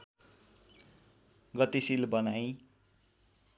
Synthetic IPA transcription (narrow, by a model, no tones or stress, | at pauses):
ɡʌt̪isilbʌnaj̃